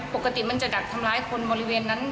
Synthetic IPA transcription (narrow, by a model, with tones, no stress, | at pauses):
po˨˩kːa˧t̪i˨˩ma˧nt͡ɕa˨˩da˨˩k̚t̪ʰa˧mlaː˧˦˥jkʰo˧nbɔː˧ɾi˦˥weː˧nːa˦˥n